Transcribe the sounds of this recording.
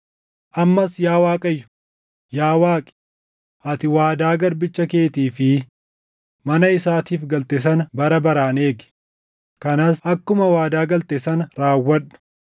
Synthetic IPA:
ʔɐmːɐsjaːwaːkʼɐjːʊ̥ | jaːwaːkʼɪ̥ | ʔɐt̪ɪwaːd̪aːɡɐɾbɪt͡ʃːɐke̞ːt̪iːfɪ | mɐnɐɪsaːt̪iːfɡɐlt̪eːs̬ɐnbɐɾɐbɐɾaːne̞ːɡɪ̥ | kɐnasɐkːʊmɐwaːd̪aːɡɐlt̪eːsɐnɾaːwːɐᶑʊ̥

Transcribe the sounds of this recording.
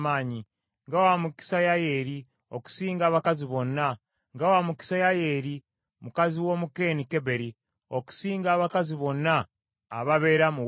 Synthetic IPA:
maːɲi | ŋɡawamuki̥sajaje̞ɾi | oku̥siːŋɡaːβakaziβo̞nːa | ŋɡawamuki̥sajajeɾi | mukaziwo̞muke̞ːnikeβe̞ɾi | o̞ku̥siːŋɡaːβakaziβo̞nːa̰ː | βaβe̞ːɾamu

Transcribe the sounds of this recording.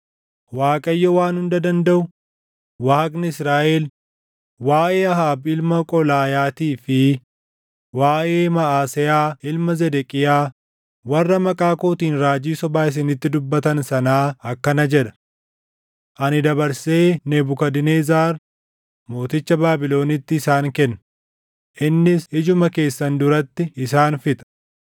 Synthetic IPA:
waːkʼɐjːɔwaːnhʊnd̪ɐd̪ɐnd̪ɐʔʊ | waːknɪɪsɾaːʔeːl | waːʔeːɐɦaːbɪlmɐkʼɔlaːjaːt̪iːfɪ | waːʔeːmɐaːsɪjaːʔɪlmɐzɛd̪ɛkʼɪjaː | wɐrːɐmɐkʼaːkoːt̪iːnɾaːd͡ʒiːsɔbaːɪs̬ɪnɪt̪ːɪd̪ʊbːɐt̪ɐnsɐnaːɐkːɐnɐd͡ʒɛᶑ̪ɐ̥ | ʔɐnɪd̪ɐbɐɾse̞ːnebʊkɐd̪ɪneːzaːɾ | mo̞ːt̪ɪt͡ʃːɐbaːbɪlo̞ːnɪt̪ːɪːsaːŋkɛnːɐ | ʔɪnːɪsɪd͡ʒʊmɐke̞ːsːɐnd̪ʊɾɐt̪ːɪɪsaːnfɪt̪ʼɐ̥

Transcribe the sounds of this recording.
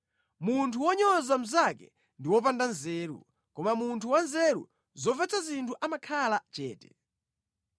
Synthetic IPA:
muntʰuwɔɲɔzam̩zakɛ̰ | ndiwɔpandanzɛːɾṵ | kɔmamuntʰuwanzɛɾṵ | zɔvɛt͡sʰazintʰuʔamakʰalat͡ʃɛːtɛ̥

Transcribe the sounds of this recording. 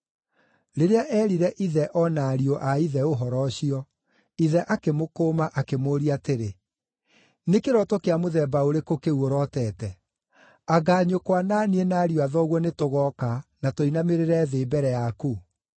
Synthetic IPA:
ɾeɾeaʔɛːɾiɾɛʔiðɛʔɔnaːɾiɔʔaiðɛoɦɔɾɔɕiɔ | iðɛʔakemokoːmaʔakemoːɾiateɾe | nekeɾɔtokeamoðɛːbaoɾekokeuoɾɔtɛːtɛ | aɡaːɲokwanaːnienaːɾioaðɔɣwɔnetoɣɔkanatoinameɾeɾɛðeːbɛɾɛjaku

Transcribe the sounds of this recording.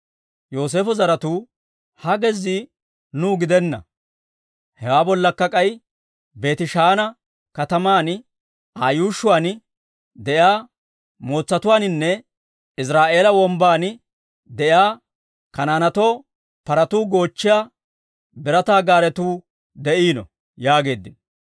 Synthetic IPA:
jo̞ːs̬e̞ːfʊzɐɾɐt̪uː | hɐɡɛzi | nuːɡɪd̪ɛnːɐ̰ | hɛwaːbɔlːɐkːɐkʼɐj | be̞ːt̪ɪʃaːnɐ | kɐt̪ɐmaːn | aːjuːʃʊwaːn | d̪ɛʔjaː | mo̞ːt͡sːɐt̪ʊwaːnɪnːɛ | ɪs̬ɾaːʔe̞ːlɐwɔmbaːn | d̪ɛʔjaː | kɐnaːnɐt̪o̞ː | pɐɾɐt̪uːɡo̞ːt͡ʃːɪjaː | bɪɾɐt̪aːɡaːɾɛt̪uː | d̪ɛʔiːnɔ̰ | jaːɡe̞ːd̪ːɪn

